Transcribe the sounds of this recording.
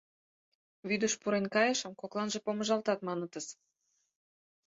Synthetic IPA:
βyd̪əʃpuɾenkɑjəʃə̆mkoklˠɑnʒepoməʒɑlt̪ɑt̪mɑnə̆t̪əs

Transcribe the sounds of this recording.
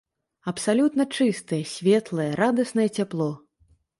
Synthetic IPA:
ɐpsalʲut̪nɐt͡ʂɨst̪ɐjɐsʲvʲɛt̪lˠɐjɐɾad̪ɐsnɐjɐt͡sʲaplˠɔ

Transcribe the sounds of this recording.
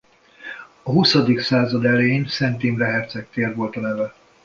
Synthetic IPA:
ɒɦusɒd̪iksaːzɒd̪ɛleiɲsɛnt̪iːmrɛɦɛrt̪sɛk̚t̪eːrvo̞lt̪ɒnɛvɛ

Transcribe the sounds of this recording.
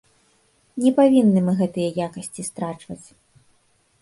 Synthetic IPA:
nʲɛpavʲinːɨmɨɣɛt̪ɨjɐjakɐsʲt͡sʲist̪ɾat͡ʂvɐt͡sʲ

